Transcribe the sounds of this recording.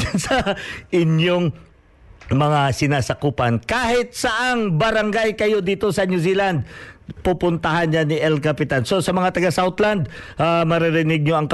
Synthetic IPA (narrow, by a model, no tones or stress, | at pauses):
sɐʔɪnjoŋ | mɐŋasɪnaːsɐkuːpankaːhɪt̪̚sɐʔaŋbɐɾɐŋɡajkɐjo̞d̪iːt̪o̞sɐnuziland̪̚pupʊnt̪ɐɦanɲanɪʔɛlkɐpɪt̪anso̞sɐmɐŋat̪ɐɡasawt̪land̪ʔamɐɾɪɾɪnɪɡ̚ɲoʔɐŋk